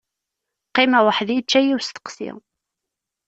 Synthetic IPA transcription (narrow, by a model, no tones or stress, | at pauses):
qːimæwəħðjət͡ʃːæjiwst̪ə̥qsḭ